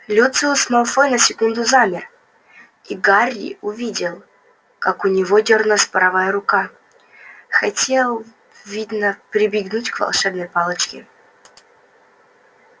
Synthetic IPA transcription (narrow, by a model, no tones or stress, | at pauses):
lʲut̪sɨsmalˠfɔnəsʲɪkund̪ʊzamʲɪr | iɡarʲːɪ̰ʊvʲidʲɪlˠ | kakʊnʲɪvodʲornəspəɾɐvajəɾʊka | xɐtʲe̞lˠ | vʲid̪nəpɾʲɪbʲɪɡnutʲkvɐ̰lˠʂɛbnəjpalˠət͡ɕkʲɪ